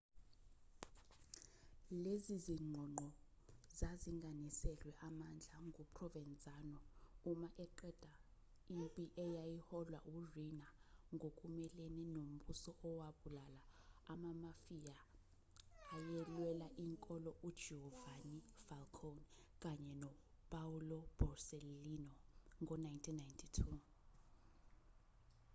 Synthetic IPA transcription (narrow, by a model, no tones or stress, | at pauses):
leziziŋ͡ǃʱɔŋ͡ǃʱɔ | zaziŋɡʱanisɛlwɛʔamand͡ɮʱaŋɡʱupʰʼrɔvɛnt͡sʼanɔumaʔɛǃɛd̥ʱa | impʼiʔɛjajihɔlwaʔurinaŋɡʱokʼumɛlɛnɛnom̩ɓusɔʔɔwaɓulalaamamafija | ajɛlwɛlaʔiŋkʼɔlɔʔud̥ʒ̥ʱɛhɔvanifalkʰon | k̬ʼaɲɛnɔpʼaulɔb̥ʱɔrselinɔŋɔnajntʰinːajntʰitʰu